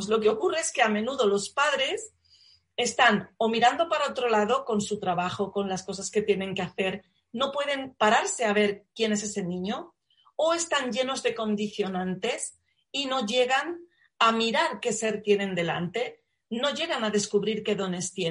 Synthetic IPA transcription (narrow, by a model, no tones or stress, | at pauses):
zlo̞ke̞o̞kureeske̞amẽ̞nuðo̞lo̞spaðɾe̞s | e̞st̪ano̞miɾand̪o̞paɾaot̪ɾo̞laðo̞ko̞nsut̪ɾaβaxo̞ko̞nlasko̞saske̞t̪je̞nẽ̞ŋke̞aθe̞ɾ | no̞pwe̞ð̞e̞npaɾaɾse̞aβ̞e̞ɾkje̞ne̞s̬e̞se̞nĩɲo | oe̞st̪anʝe̞no̞zðe̞ko̞nd̪iθjo̞nãnt̪e̞s | ino̞ʝe̞ɣan | amiɾaɾke̞se̞ɾt̪je̞nẽ̞nd̪e̞la̰nt̪e̞ | no̞ʝe̞ɣ̞anaðe̞skuβɾiɾke̞ðo̞ne̞st̪je